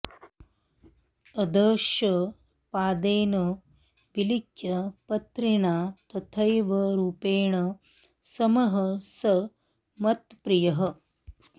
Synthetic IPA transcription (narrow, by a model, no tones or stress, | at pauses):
ɐd̪ɐːʃɐ | paːd̪eːnɐ | bilikjɐpɐt̪ɾiɳaːt̪ɐt̪ʰɐjʋɐɾuːpeːɳɐ | sɐmɐɦɐsɐ | mɐt̪pɾijɐɦɐ̆